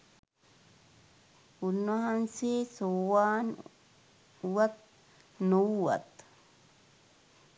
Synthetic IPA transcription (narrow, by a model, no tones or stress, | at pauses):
hʊnːɔhɐnseːsowaːn | wɐt̪̚ | nɔwuwɐ̰t̪